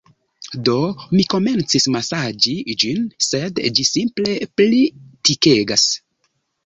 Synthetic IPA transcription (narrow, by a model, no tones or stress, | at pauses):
do̞miko̞me̞nt͡sismasad͡ʒid͡ʒinse̞dd͡ʒisimple̞plitike̞ɡas